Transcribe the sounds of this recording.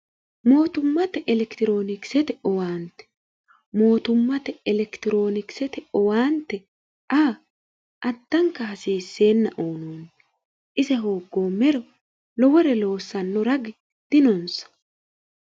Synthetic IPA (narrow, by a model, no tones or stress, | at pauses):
mo̞ːt̪ʊmːɐt̪ɛʔɛlɛkt̪ɪɾo̞ːnɪksɛt̪ɛɔwaːnt̪ɛ̥ | mo̞ːt̪ʊmːɐt̪ɛɛlɛkt̪ɪɾo̞ːnɪksɛt̪ɛɔwaːnt̪ːɛ | ʔaː | ʔɐd̪ːɐŋkːɐhɐsiːsːe̞ːnːɐ̰ʔoːnoːnɛ | ʔɪzɛɦoːɡːo̞ːmːɛɾɔ | lɔwɔɾɛlo̞ːsːɐnːɔɾɐɡɪ | d̪̥ɪnɔnsɐ̥